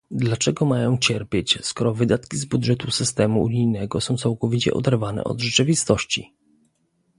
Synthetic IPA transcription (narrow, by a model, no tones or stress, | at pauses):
d̪lat͡ʂɛɡɔmajɔ̃w̃t͡ɕɛɾpʲjet͡ɕskɔɾɔvɘd̪at̪kʲizbud̪ʐɛt̪usɘst̪ɛmuṵɲijnɛɡɔsɔ̃w̃t̪sawkɔvʲit͡ɕɛ̰ʔɔ̰d̪ɛɾvanɛ̰ʔɔ̰d̪ʐɛt͡ʂɘvʲist̪ɔɕt͡ɕḭ